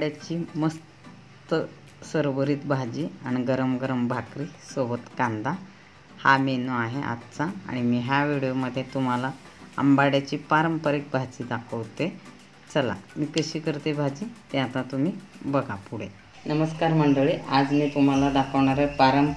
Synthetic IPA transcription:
aɽjat͡ɕiːməs | t̪ə | səɾʋəɾiːt̪bʱad͡ʑiːaɽ̃iɡəɾəmɡəɾəmbʱakɾisobət̪kãnd̪a | hamenuaɦeʔa̰t̪t͡saa̰ɽ̃imiːɦjaʋiɽijoməd̪ʱːjet̪um̤ala | ə̰mbaɽjat͡ɕiːpaɾəmpəɾik̚bʱad͡ʑiːd̪akʰəʋt̪e | t͡səla̰miːkəɕiːkəɾt̪ebʱad͡ʑiːt̪eat̪ãt̪um̤iːbəɡʱapuɽe | nəməskaɾm̤əɳɖəɭiʔad͡znit̪um̤alad̪akʰəʋɳaɾepaɾəm

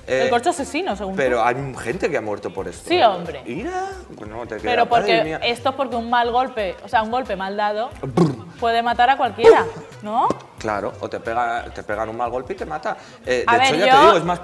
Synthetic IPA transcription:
eelkoɾt͡ʃoasesinoseɣunpeɾoajχe̞nt̪ekeamweɾt̪o̞po̞ɾe̞st̪osio̞mbɾeiɾa | not̪ekepeɾopoɾkemiaest̪oespo̞ɾkeuŋmalɣ̞o̞lpe̞oseauŋɡo̞lpe̞mald̪að̞o̞bpwe̞ð̞emat̪aɾakwalkje̞ɾa | no | kla̰ɾo̰o̰t̪e̞peɣat̪e̞pe̞ɣanuŋmalɣo̞lpeit̪emat̪a | edaeeβeɾoʝaeoeðiɣoezmas

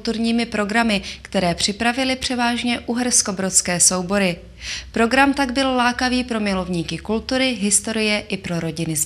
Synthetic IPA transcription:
t̪uɾɲiːmɪpɾo̞ɡɾamɪkt̪ɛɾɛːpr̝̥ɪpɾavɪlɪpr̝̥ɛvaːʒɲɛʔuɦɛɾsko̞bɾo̞t̪skɛːso̞wbo̞ɾɪ | pɾo̞ɡɾamt̪aɡbɪllaːkaviːpɾo̞mɪlo̞vɲiːkɪkult̪uɾɪɦɪst̪o̞ɾɪjɛʔɪpɾo̞ɾo̞ɟɪnɪ

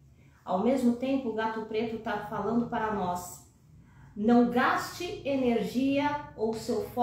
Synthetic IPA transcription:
a̰wmezmʊt̪ẽmpʊʊɡat̪ʊpɾet̪ʊt̪avɐfalɐ̃nd̪ʊpaɾɐnɔs | nɐ̃w̃ɡast͡ʃɪeneɾʒiɐowsewfɔ

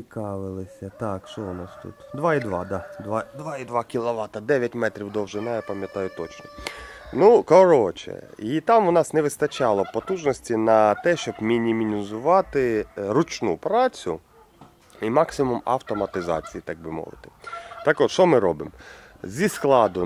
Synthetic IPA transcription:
ikɑʋɪlˠɪsʲɐt̪ɑkʃɔʊnɑst̪ṵt̪d̪ʋɑid̪ʋɑd̪ɑd̪ʋɑd̪ʋɑid̪ʋɑkʲilˠɔʋɑt̪ɐd̪ɛʋʲjɐtʲmɛt̪ɾʲiwd̪ɔwʒɪnɑjapɐmʲjɐt̪ɑjʊt̪ɔt͡ʃnɔnukɔɾɔt͡ʃɛ̰it̪ɑmʊnɑsnɛʋɪst̪ɐt͡ʃɑlˠɔpɔt̪uʒnɔsʲtʲinɐt̪ɛʃt͡ʃɔbmʲinʲimʲinʲizʊʋɑt̪ɪɾʊt͡ʃnupɾɑt͡sʲʊ̰ | imɑksʲɪmumɐ̰wt̪ɔmɐt̪ɪzɑ̰t͡sʲijit̪ɑɡ̚bɪmɔ̰ʋɪ̰t̪ɪ̥t̪ɑkɔt̪ʃɔmɪɾɔbɪ̰m | zʲisklˠɑd̪ʊ

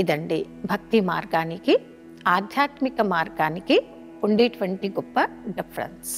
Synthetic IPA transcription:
id̪ɐɳɖi | bʱɐk̚t̪ima̰ːɾɡaːniki | aːd̪ʱjaːt̪mikɐmaːɾɡaːniki | uɳɖiʈʋɐɳʈiɡupːɐɖipʰɾɐ̰ns

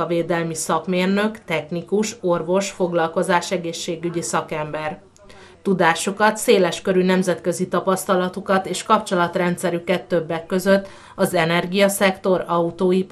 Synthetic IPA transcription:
ɒveːd̪ɛlmisɒkmeːrnø̞kt̪ɛxnikuʃo̞rvo̞ʃfo̞ɡlɒlko̞zaːʃɛɡeːʃːeːɡyɟisɒkɛmbɛr | t̪ud̪aːʃukɒt̪seːlɛʃkø̞ɾynɛmzɛt̪kø̞zit̪ɒpɒst̪ɒlɒt̪ukɒt̪eːʃkɒpt͡ʃo̞lɒt̪rɛnt̪sɛɾykɛt̪ːø̞bːɛkːø̞zø̞t̪ː | ɒzɛnɛrɡijɒsɛkt̪o̞ɾɒut̪oːip

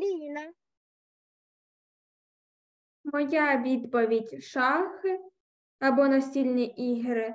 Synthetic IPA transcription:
ɾʲinɐ | mɔjaʋʲid̪pɔʋʲidʲʃɑxɪ | ɐbɔnɐsʲilʲnʲiʔiɦɾɪ

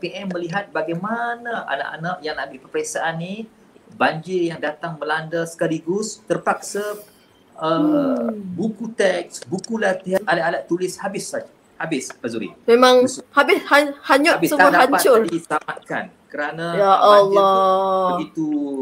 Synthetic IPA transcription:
peʔɛmːə̃liɦat̪̚baɡajmanaa̰la̰ʔa̰naʔjaŋnãmbɪpərpəɾeksaʔanːi | baɲd͡ʒɪrjaŋdat̪aŋməlandasə̥kaliɡʊst̪ərpak̚sa | ə | bukut̪ɛk̚sbukulat̪iaalaʔadaʔt̪ːulɪshabɪsad͡ʒ | habɪspazuɾḭmemãŋhabɪshahaɲʊabɪssəmadahaɲpat̪t͡ʃʊrdit̪amat̪̚ka̰n | kəɾanajaʔɔalɔbəɡit̪u

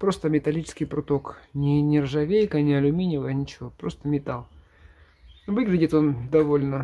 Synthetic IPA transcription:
pɾo̞st̪əmʲɪt̪ɐlʲit͡ɕɪ̥skʲɪjpɾʊt̪o̞knʲɪnʲɪrʐɐvʲejkənʲɪɐlʲʊmʲinʲɪvənʲɪt͡ɕɪvo̞pɾo̞st̪əmʲɪt̪alˠ | vɨɡlʲɪdʲɪt̪o̞nd̪ɐvolʲnə

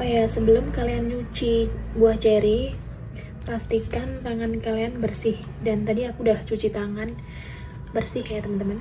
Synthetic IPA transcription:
ajasəbəlʊmkaliant͡ʃut͡ʃibuaht͡ʃɛɾi | past̪ikant̪aŋankalianbərsɪh | dant̪adiakuːdaht͡ʃut͡ʃit̪aŋan | bərsɪhjat̪əmant̪əman

